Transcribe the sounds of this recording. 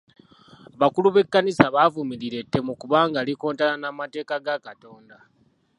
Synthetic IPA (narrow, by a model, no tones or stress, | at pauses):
βakuluβe̞kːanisaβavumiɾiɾe̞tːe̞mukuβaːŋɡaːliko̞ːntalanamate̞ːkaɡakato̞ːnda